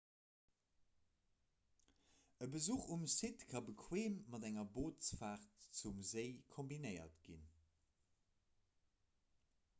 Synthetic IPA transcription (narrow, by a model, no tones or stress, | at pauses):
əbəzuːχumsitkʰɑbəkʰweːmːɑdæŋɐboːtsfaːχtt͡sumzəɪkʰombinəɪɐ̰tɡ̥ḭn